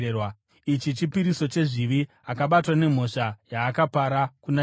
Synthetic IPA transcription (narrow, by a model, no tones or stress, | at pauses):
ewa | it͡ʃit͡ʃipiɾiso̞t͡ʃe̞ʐiʋi | akaɓatwane̞m̤o̞ʂajaːkapaɾakuna